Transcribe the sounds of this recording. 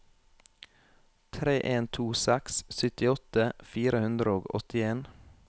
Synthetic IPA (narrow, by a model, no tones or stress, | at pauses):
t̪ʰɾeːʔeːnt̪ʰuːsækssʏt̪ɪɔt̪əfiːɾəhʉnd̪ɾəoːɡɔ̰t̪ɪeːn